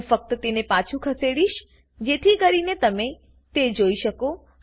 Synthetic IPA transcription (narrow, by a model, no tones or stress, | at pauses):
fək̚t̪ət̪enepat͡ʃʰũkʰəseɽiʃ | d͡ʒet̪ʰikəɾinet̪əme | t̪ed͡ʒoiʃəko